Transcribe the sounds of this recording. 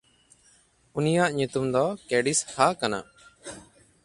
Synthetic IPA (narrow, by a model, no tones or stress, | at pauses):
unijaʔɲut̪umd̪ɔkɛɖishakana̰